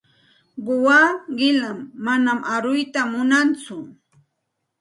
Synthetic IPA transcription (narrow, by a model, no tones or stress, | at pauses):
ɢʊwaːɢɪlamːanamʔaɾʊjt̪amʊnant͡sʊ